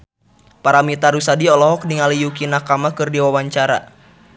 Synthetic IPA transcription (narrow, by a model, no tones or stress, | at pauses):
paɾamit̪aɾusadiɔlɔɦɔk̚niŋalijukinakamakɨrdiwawaɲt͡ʃaɾa̰